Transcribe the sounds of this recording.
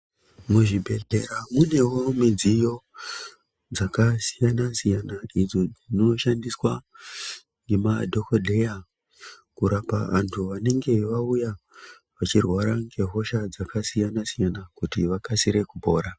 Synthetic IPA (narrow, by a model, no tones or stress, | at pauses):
muʐibʱe̞ɮe̞ɾamune̞wo̞mid͡zijo̞ | d͡zakasijanasijanaid͡zo̞d͡zino̞ʃandiswa | ŋɡe̞madʱo̞kodʱe̞ja | kuɾapaʋa̰ntʰuʋane̞ŋɡe̞ʋauja | ʋat͡ʃirwaɾaŋɡe̞ɦo̞ʃad͡zakasijanasijanakutiʋakasiɾe̞kubʱo̞ːɾa